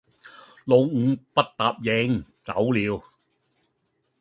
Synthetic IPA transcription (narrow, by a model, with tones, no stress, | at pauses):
lo˨˧wŋ̩˨˧pɐ˥t̚t̪aː˨p̚jɛ˨˧˥ŋ | t͡sɐ̰˨˥wliː˨˧w